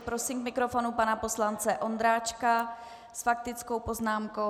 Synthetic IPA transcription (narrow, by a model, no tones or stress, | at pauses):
pɾosimkmɪkɾofo̞nupanapo̞slant͡sɛʔo̞nd̪ɾaːt͡ʃka | sfak̚t̪ɪt͡sko̞wpo̞znaːmko̞